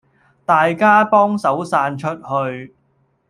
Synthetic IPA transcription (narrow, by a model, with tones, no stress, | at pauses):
t̪aː˨jkaː˥pɔː˥ŋsɐ˨˥wsaː˧nt͡ʃʰɵ˥t̚hɵ˧ɥ